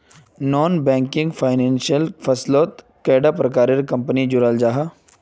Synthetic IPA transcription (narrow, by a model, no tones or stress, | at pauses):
nɔːnbɛ̃ːŋkɪ̃ŋɡfʰaːɪnɛ̃ːnsijəlfʰɐsloːt̪ | kɛːɖapɾɐkaːɾeɾkɐ̃mpənid͡ʒʊɾaːld͡ʒaːɦa